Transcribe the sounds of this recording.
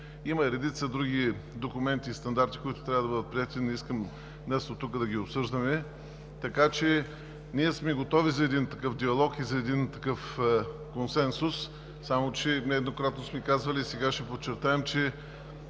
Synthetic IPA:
imɐɾɛd̪it̪səd̪ɾuɡʲid̪okʊmɛnt̪iːst̪ɐnd̪aɾt̪i̥kʊit̪ʊ̥t̪ɾʲavəd̪ɐbəd̪ət̪̚pɾiɛt̪iniskəm | nɛst̪ot̪ukəd̪ɐɡʲiopsɤʒd̪ɐmɛ | t̪ɐkat͡ʃɛ | niɛsmɛɡot̪ɔvizɐɛd̪int̪ɐkɤfd̪iɐlˠɔkizɐɛd̪int̪ɐkɤfkonsɛnsʊsː | amot͡ʃɛnɛɛd̪nokɾat̪nosmɛkazvɐliːsɛɡaʃɛpot͡ʃɛɾt̪aɛmt͡ʃɛ

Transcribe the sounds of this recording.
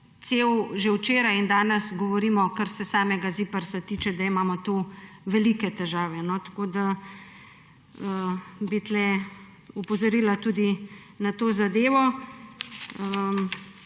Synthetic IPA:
t̪sewʒewt͡ʃeːɾajind̪aːnɛsɡɔʋɔɾiːmɔkaɾsɛsaːmɛɡazipəɾsat̪it͡ʃɛd̪aimaːmɔt̪uʋɛliːkɛt̪ɛʒaːʋɛnɔt̪ḁkoːd̪a | əbit̪lɛ | upɔzɔɾiːlat̪uːd̪i | nat̪oːzad̪eːʋɔ | ə

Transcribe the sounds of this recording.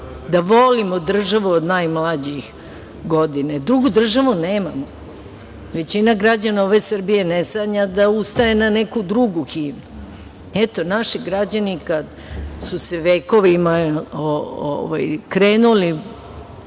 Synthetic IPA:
d̪aʋo̞limod̪r̩ʒaʋuod̪najmlad͡ʑix | ɡo̞d̪inad̪ɾuɡud̪r̩ʒaʋuneːmamo | ʋe̞t͡ɕinaɡɾad͡ʑanaoʋe̞sr̩bije̞nesaɲad̪aust̪ae̞nanekud̪ɾuɡuxiːmu | ɛt̪o̞naʃiɡɾad͡ʑanikad̪ | suse̞ʋeːko̞ʋimaoo̰ʋa̰jkɾeːnuli

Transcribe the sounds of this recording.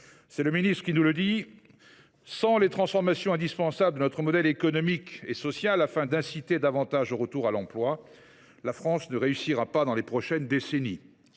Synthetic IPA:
sɛləminist̪χə̥kʲinuləd̪i | sɑ̃let̪χɑ̃sfɔʁmasjɔ̃ɛ̃d̪ispɑ̃sabləd̪ənɔt̪χəmɔd̪ɛlekɔnɔmikesɔsjalafɛ̃d̪ɛ̃sit̪ed̪avɑ̃t̪aʒoʁət̪uʁalɑ̃plwa | lafχɑ̃snəʁeysiʁapad̪ɑ̃lepχɔʃɛnd̪eseni

